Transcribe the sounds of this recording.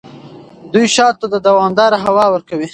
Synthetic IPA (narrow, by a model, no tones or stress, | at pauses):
d̪ujʃɑt̪ːad̪əd̪awɑmd̪ɑɾaɦawɑwəɾkawi